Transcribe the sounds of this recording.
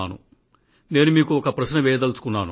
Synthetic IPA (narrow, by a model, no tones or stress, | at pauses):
aːnṵ | ne̞ːnumiːkuɔkɐpɾɐʃnɐʋɛːjɐd̪ɐlsu̥kunːaːnu